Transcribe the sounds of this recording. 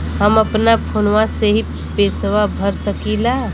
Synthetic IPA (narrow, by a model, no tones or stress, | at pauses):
ɦəməpnapʰonʋaseɦi | pesʋabʱəɾsəkila